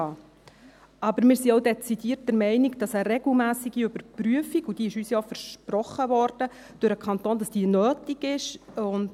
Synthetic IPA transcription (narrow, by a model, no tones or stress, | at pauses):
ɑ | ɑbəɾmɪːɾsiɔʊdɛt͡sid̥iːɾt̚d̥əɾmɛɪniɡd̥ɑsəɾɛɡl̩mæːsiɡ̥iøbəɾpryəfiɡud̥iɪʃyːsjɑfəɾʃprɔχːəʋɔːɾd̥ə | d̥ʊɾəkʰɑnt̪oːnd̥ɑsd̥iːənøːtiɡɪʃʊnd